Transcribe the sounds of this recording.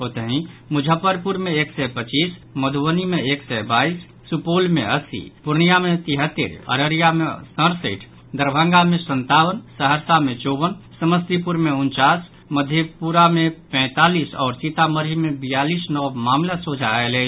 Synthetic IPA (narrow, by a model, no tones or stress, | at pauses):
ɦot̪əɦĩmʊd͡ʒʱəpːəɾpuɾmẽeksɛpət͡ʃiːsməd̪ʱuwənimeeksɛbaisːupolmḛəsḭpuɾɳijamet̪iɦət̪ːḭɾə̰ɾəɾijamḛsə̃ɾsəɪʈʰ | d̪əɾbʱə̃ŋɡamẽsənt̪awənsəɦəɾsamet͡ʃɔbənsəməst̪ipuɾmeunt͡ʃas | məd̪ʱjepuɾamepɛ̃ːt̪alisɔːɾsit̪aməɾimebijaliːsnɔwmaːmlasod͡ʒʱaele